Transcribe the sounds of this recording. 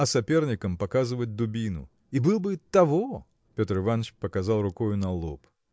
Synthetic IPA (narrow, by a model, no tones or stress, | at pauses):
ɐsɐpʲe̞rnʲɪkəmpɐkazɨvət̚ʲd̪ʊbʲinʊ̰ | ibɨlˠbɨt̪ɐvo | pʲot̪rɨvanət͡ɕpəkɐzɑlˠrʊkojʊnɐlˠo̰p